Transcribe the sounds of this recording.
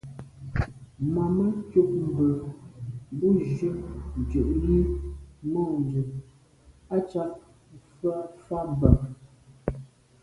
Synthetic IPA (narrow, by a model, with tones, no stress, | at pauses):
ma˨mə˦kjo˦ʔ̚m̩˨bə˨˦ | bu˦ʒə˦n˨d͡ʒə˨ʔli˦mɔ˦˨n˨də˨ | a˦t͡ʃa˦ʔ | fa˦fa˦m˨ba˨